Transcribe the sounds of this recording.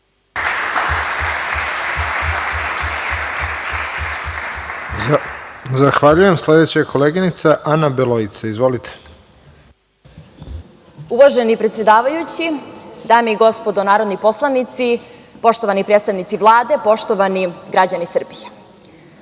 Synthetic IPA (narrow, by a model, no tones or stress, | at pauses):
zaxʋaʎuje̞msled̪et͡ɕakʰoleːɡinit̪saʔanabeloit̪saizʋo̞lit̪ʰe̥ | uʋaʒenipɾet̪sʲjed̪aːʋajut͡ɕid̪aːmeiɡo̞spod̪onaːɾod̪nipo̞slˠanit̪sipo̞ʃt̪oʋanipɾed̪t̪aʋnit̪siʋlˠaːd̪e̞po̞ʃt̪oʋaniɡɾad͡ʑanisr̩bije